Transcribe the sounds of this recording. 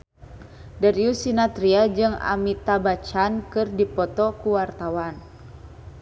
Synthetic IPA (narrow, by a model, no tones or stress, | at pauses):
daɾiusinat̪ɾiad͡ʒɨŋa̰mit̪abat͡ʃankɨrdipɔt̪ɔkuwart̪awan